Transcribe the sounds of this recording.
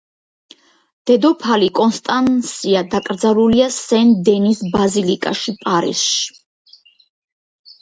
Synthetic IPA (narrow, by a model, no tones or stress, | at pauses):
d̪̥ɛd̪ɔpʰalikʼɔnst̪ʼansiad̪akʼɾd̪zaluliasɛnd̪ɛnisbazilikʼa̰ʃipʼaɾḭsʃi̥